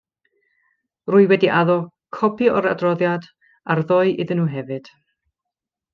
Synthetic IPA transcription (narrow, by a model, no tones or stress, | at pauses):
rʊɨwɛdiʔaðɔ | kʰɔpʰiɔɾa̰drɔðjad | arðɔɨʔɪðənuːɦɛvɨd̥